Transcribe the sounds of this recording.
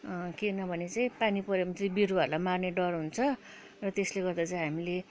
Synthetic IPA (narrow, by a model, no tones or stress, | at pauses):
kenʌbʱʌnet͡saĩpanipʌɾjʌmʌt̪ribiɾuʌrlamarneɖʌrɦunt͡sʰʌ | rʌt̪esleɡʌrd̪at͡saĩɦamile